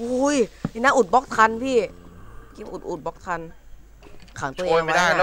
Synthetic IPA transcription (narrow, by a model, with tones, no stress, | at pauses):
ʔu˧˦˥ji˨˩na˦˥ʔuː˨˩t̪̚bɔ˦˥k̚t̪ʰa˧npʰiː˥˩ki˧˦mʔu˨˩t̪̚ʔu˨˩t̪̚bɔ˦˥k̚t̪ʰa˧n | kʰaː˨˩˦t̪ːa˦˧a˧˦